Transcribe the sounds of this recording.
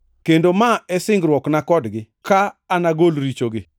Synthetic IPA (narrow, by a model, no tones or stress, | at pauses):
kendomaɛsɪŋɡɾwɔknakɔdɡɪ | kaːnaɡolɾit͡ʃoɡɪ